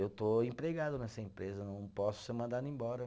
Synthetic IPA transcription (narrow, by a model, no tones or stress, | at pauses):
ewt̪oẽpɾeɡad̪ʊnɛsɐẽmpɾezɐnɐ̃w̃pɔsʊ̥sɪmɐ̃nd̪anẽj̃bɔɾɐ